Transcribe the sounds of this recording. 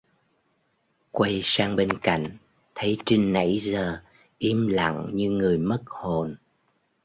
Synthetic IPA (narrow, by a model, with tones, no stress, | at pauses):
kwə˧jsaː˧ŋɓe˧nka̰˧˨jŋ̟ | t̪ʰə˨˦jt͡ɕi˧ŋ̟na̰˧˥jzəː˨˩ | ʔi˨˦əmla̰˧˨ŋɲɨ˧ŋɨ˨˩əjmə˦˥t̚ho˨˩n